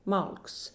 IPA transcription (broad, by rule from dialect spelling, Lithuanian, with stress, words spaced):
ˈmɐlˠks